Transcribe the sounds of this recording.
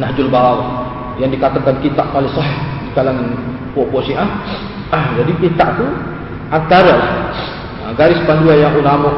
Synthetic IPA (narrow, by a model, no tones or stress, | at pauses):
nahd͡ʒʊlbaɾ | jaŋdikat̪akankit̪aʔolɛsɔɦɪhskalaŋ | puopɔsiʔah | d͡ʒadipint̪aʔt̪u | ʔant̪aɾalah | aɡaɾɪspanduajaŋʔulamɔ